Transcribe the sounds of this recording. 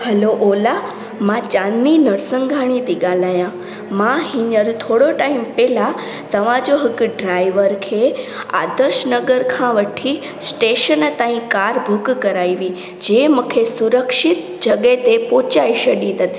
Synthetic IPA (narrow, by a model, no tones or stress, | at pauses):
hɐloʔoːla | mãt͡ʃãninəɽsəŋɡʱaɽ̃ĩt̪iɡalaːjã | mãɦiɲəɾt̪ʰoɽoʈaimpela | t̪əʋãd͡ʒoɦəkɖɾajʋəɾkʰea̰ːd̪əɾʃnəɡəɾkʰãʋəʈʰi | sʈeːʃənt̪ãːĩkaɾbʱukkəɾaːiʋi | d͡ʒeməkʰesuɾəkʃɪt̪ | d͡ʒəɠet̪epot͡ʃaiʃəɗĩt̪ən